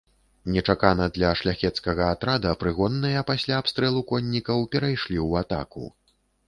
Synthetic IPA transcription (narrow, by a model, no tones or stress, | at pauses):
nʲɛt͡ʂakanɐd̪lʲɐʂlʲaxʲɛt̪skɐɣɐat̪ɾad̪ɐpɾɨɣɔnːɐjɐpasʲlʲaːpst̪ɾɛlˠukɔnʲːikɐwpʲɛɾajʂlʲiwat̪a̰kṵ